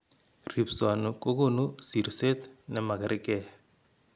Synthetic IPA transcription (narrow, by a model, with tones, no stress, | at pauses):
ri˨pswa˨nɔ˨ko˦ko˦nu˦si˨ɾse˦tnɛ˦ma˨ka˨ɾɪ˦kɛ˦